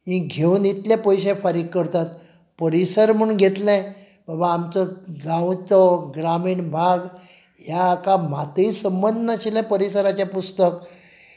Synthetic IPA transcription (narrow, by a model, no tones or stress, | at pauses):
mĩɡʱeuːnit̪ljapəjɕẽfaɾiɡkəɾt̪at̪ | pəɾisəɾm̤əɳɡʱet̪lɛ̃ | babaːmt͡səɡãwt͡sɔɡɾamiːɳbʱaɡ | jaːkamat̪isəmbənd̪ʱnaɕilɛ̃pəɾisəɾat͡ɕapust̪ək